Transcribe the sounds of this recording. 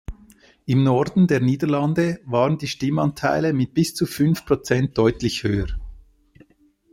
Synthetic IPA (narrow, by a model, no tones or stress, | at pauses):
ɪmnɔɾdn̩deːɐniːdəʁlɑndəvaːʁəndiːʃtɪmɑntʰaɪləmɪt̚b̥ɪst͡sufʏnfpʁot͡sɛnt̚d̥ɔʏtlɪçhøːəɾ